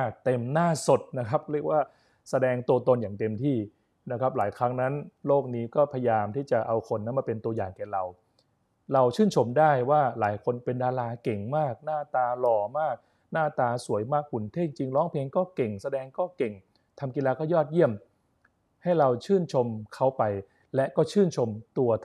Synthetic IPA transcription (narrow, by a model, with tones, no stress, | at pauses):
a˥˩t̪e˧mnaː˥˩so˨˩t̪̚na˦˥kʰa˦˥p̚ɾi˥˩ək̚waː˥˩ | sa˧dɛː˧ŋt̪u˧ət̪o˧njaː˨˩ŋt̪e˧mt̪ʰiː˥˩ | na˦˥kʰa˦˥p̚laː˩˦jkʰɾa˦˥ŋna˦˥nloː˥˩k̚niː˦˥kɔː˥˩pʰa˧jaː˧mt̪ʰiː˥˩t͡ɕa˨˩ʔa˧wkʰo˧nːa˦˥nmaː˧pe˧nt̪u˧ɐjaː˨˩ŋkɛː˨˩ɾa˧w | ɾa˧wt͡ɕʰɯː˥˩nt͡ɕʰo˧mdaː˥˩jwaː˥˩laː˩˦jkʰo˧npe˧ndaː˧laː˧ke˨˩ŋmaː˥˩k̚naː˥˩t̪aː˧lɔː˧˩maː˥˩k̚ | naː˥˩t̪aː˧su˨˩˦əjmaː˥˩k̚pu˨˩˦nt̪ʰe˥˩i˧ŋt͡ɕi˧ŋɾɔː˦˥ŋpʰeː˧ŋkɔː˥˩ke˨˩ŋsa˧dɛː˧ŋkɔː˥˩ke˨˩ŋ | t̪ʰa˧mki˧laː˧kɔː˥˩jɔː˥˩t̪̚ji˥˩əm | ha˥˩jɾa˧wt͡ɕʰɯː˥˩nt͡ɕʰo˧mkʰa˦˥wpa˧j | lɛ˦˥ʔkɔː˥˩t͡ɕʰɯː˥˩nt͡ɕʰo˧mt̪u˧ɐ